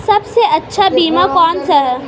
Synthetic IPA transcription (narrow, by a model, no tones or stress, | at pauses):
sɐbseɐtːʃʰabiːmakɔːnsa